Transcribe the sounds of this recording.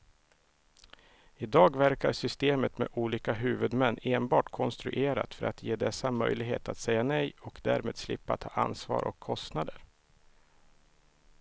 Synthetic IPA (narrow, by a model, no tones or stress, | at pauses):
ɪd̪ɑːɡvæɾkaɾʂʏst̪eːmət̪mḛʔuːliːkaɦʉ̟ːvɵd̪mɛnːeːnbɑːʈkʰɔnst̪ɾɵ̰ʔeːɾa̰t̪fœɾat̪jeːd̪ɛsːamœjlɪɡɦḛːt̪at̪sɛjːanɛjɔkd̪æːɾmeːd̪slɪpːat̪ʰːɑːʔa̰nsvɑ̰ːɾʔɔ̰kʰːɔst̪nad̪əɾ